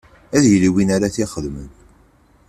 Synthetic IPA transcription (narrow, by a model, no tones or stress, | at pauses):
æðjliwinaɾaθiχəðmən